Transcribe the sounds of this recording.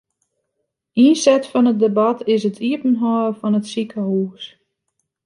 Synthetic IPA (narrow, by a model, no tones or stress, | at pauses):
insɛtfɔnət̚debatɪsətʰiəpənɦɔːəfɔnətsikəhuːs